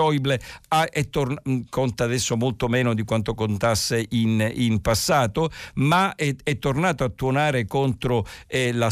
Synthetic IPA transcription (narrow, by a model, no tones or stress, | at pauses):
ɔjbleaʔɛt̪ːorkʰont̪aːd̪ɛsːomolt̪omɛːnod̪ikwant̪okont̪asːeʔininpasːaːt̪omaɛɛt̪ːornaːt̪oat̪ːuonaːɾekont̪ɾoɛla